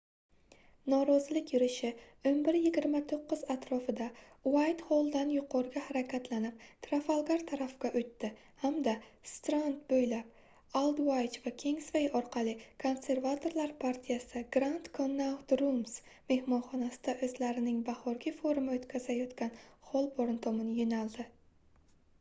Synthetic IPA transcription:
nɒɾɒzɪlɪkʲjʊɾɪʃɪ | ɵmbɪɾjɪɡʲɪɾmat̪ʰoqːɨzat̪ɾɒfɪd̪a | wajt̪holˠd̪anjʊqʰɒɾɪɡʲahaɾakʲʰat̪ʰlanɪp̚t̪ʰɾafalˠɡaɾt̪ʰaɾafkʲaʔʊt̪ːɪ | hamd̪ast̪ɾand̪bojlap | alˠd̪wajt͡ʃvakʲʰeŋsvejɒɾqʰɑlɪkʰo̞nse̞ɾvat̪ʰo̞ɾlaɾpʰaɾt̪ʰijasɪɡɾant̪kʰonːawt̪ɾulˠms | me̞hmɒnχɒnasɪd̪aʔɵzlaɾɪnɪŋbahɒɾɡʲɪfoɾʊmaot̪kʲʰazajɒt̪kʲanχɒlˠboɾnt̪ʰomɪnɪjonalˠd̪ɪ

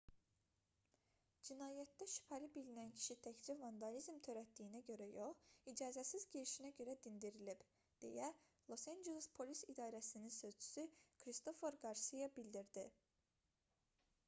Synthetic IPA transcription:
d͡ʒinɑːjæt̪̚d̪æʃi̥pʰælibilinæncʰi̥ʃit̪ʰæçd͡ʒivɑnd̪ɑlizmt̪ʰø̞ɾæt̪d̪ijinæɟø̞ɾæjo̞χid͡ʒɑːzæsizɟeɾiʃinæɟø̞ɾæd̪ind̪iɾilib̥ | d̪̥e̞̰jæ | lˠo̞sand͡ʒelˠespʰo̞lisid̪ɑːɾæsininsø̞zt͡ʃʰy̥sykʰɾist̪o̞fo̞ɾɡɑɾsijɑbild̪iɾd̪i

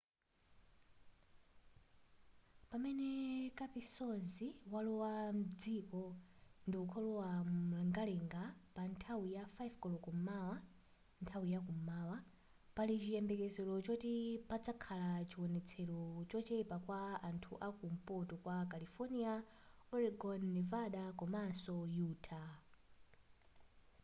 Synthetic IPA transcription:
pamɛnɛkapisɔziwalɔwam̩d͡zikɔndiukʰɔlɔwalɛŋɡalɛŋɡapantʰawijafajvkɔlɔkɔmawa | ntʰawijakumaːwa | palit͡ʃijɛmbɛkɛzɛlɔt͡ʃɔtipad͡zakʰalat͡ʃiwɔnɛt͡sʰɛlɔt͡ʃɔt͡ʃɛpakwaantʰṵʔakum̩pɔtɔkwakalifɔnia | ɔɾiɡɔnːɛvaɗakɔmasɔjuːtʰa

